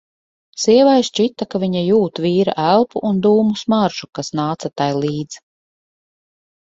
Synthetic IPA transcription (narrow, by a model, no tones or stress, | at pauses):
siɛvajst͡ʃit̪akaviɲajuːt̪viːɾa̰ʔælˠpuʔund̪uːmusmaɾʒukasnaːt̪sat̪ajlˠiːd̪z̥